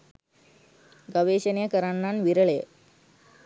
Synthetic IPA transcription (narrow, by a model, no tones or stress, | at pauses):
ɡɐʋeːɕɐnjɐkɐɾaɳːanʋiɾɐɭe